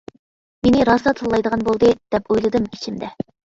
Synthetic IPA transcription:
menɪɾɑsɑt̪ʰɨlːˠɑjd̪əʁɑnbolˠd̪ɨd̪̥ɛpojlˠɨd̪ɨmit͡ʃʰimd̪ɛ

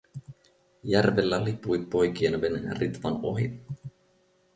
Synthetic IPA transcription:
jærʋelːælipujpːo̞jkienʋenrit̪ʋɑ̰noɦi

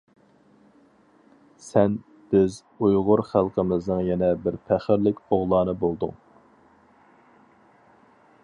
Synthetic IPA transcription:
sɛn | b̥ɪz | ujʁʊɾχælˠqʰəmɪznɨŋjɛnɛbɪɾpʰæχɪɾlɪkʲoʁlˠɑːnɨbolˠd̪ʊ̰ŋ

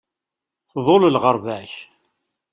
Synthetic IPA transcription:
θðˤoləlʁəɾˤvæç

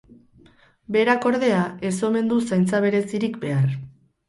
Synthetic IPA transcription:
be̞ɾako̞ɾðe̞ae̞so̞me̞nd̪usajnt͡saβ̞e̞ɾe̞siɾikbe̞aɾ

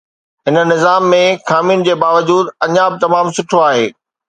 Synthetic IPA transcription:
ɦɪnə̆nɪzaːmːẽxaːmiʊnɪ̆d͡ʑeːbaːʋəd͡ʑuːd̪ɐɲabɪt̪ɐmaːmsʊʈʰoaːɦḛː

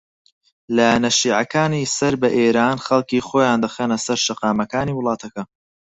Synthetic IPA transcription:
lɐnɐʃiːʕɐkaːnisɐɾbɐʔeːɾaːnχɐlˠkiːxoːjaːnd̪ɐxeːnɐsɐɾʃɐqɑːmɐkaːniːwʊlˠɑːt̪ʰɐkɐ

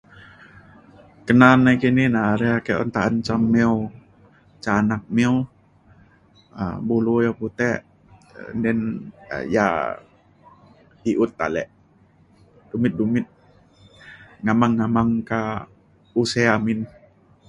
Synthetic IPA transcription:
kənanːaikininaɾɛakɛɔ̰nt̪aʔant͡ʃamːɛu | t͡ʃanak̚mɛu | ə̰bulujaput̪ɛʔ | ndɛn̰ja̰ | hiʔut̪̚ːa̰lɛ̰ʔ | dumɪt̪̚dumɪt̪̚ | ŋamaŋːamaŋka | useamin

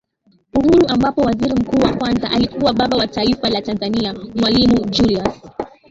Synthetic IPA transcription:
uhuɾuʔambapɔwaziɾim̩kuːwakwanzaʔalikuwaɓaɓawataifalatanzaniamwalimud͡ʒulias

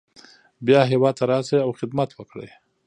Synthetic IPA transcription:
bjɑɦewɑd̪̚t̪aɾɑsaawxɪd̪mat̪wəkɽə̰j

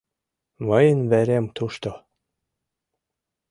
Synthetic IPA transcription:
mɤjənvæɾʲemt̪uʃt̪o

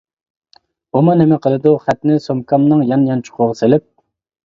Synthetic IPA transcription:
umɑnɪmɛqʰəlˠɨd̪uχæt̪nɪsomkʰɑmnɨŋjɑnjɑnt͡ʃʰʊ̥qʰʊʁəselɪp̚

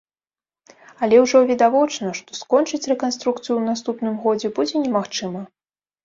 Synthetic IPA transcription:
ɐlʲɛwʐɔvʲid̪avɔt͡ʂnɐʂt̪ɔ̥skɔnt͡ʂɨt͡sʲrɛkanst̪ɾukt̪sɨjuwnas̬t̪upnɨmɣɔd͡zʲɛbud͡zʲɛnʲɛmaxt͡ʂɨmɐ

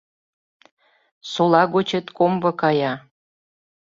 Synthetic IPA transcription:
solɑɣot͡ɕet̪kombɤ̆kɑjɑ

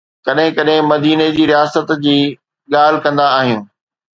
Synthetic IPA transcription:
kɐɗɦɪ̃kɐɗɦɪ̃mɐd̪iːned͡ʑiːɾijaːsət̪d͡ʑiː | ɠaːl̤ɪkɐ̃nd̪aːɦijũː

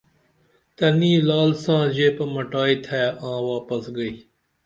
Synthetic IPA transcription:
t̪əniːlaːlsãːzeːpəməʈaːiːt̪ʰɛːãːʋaːpəsɡəiː

